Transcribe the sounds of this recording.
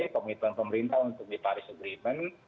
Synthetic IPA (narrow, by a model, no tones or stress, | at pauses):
pəmit̪uanpəməɾint̪aunt̪ʊk̚dipaɾisəɡɾimən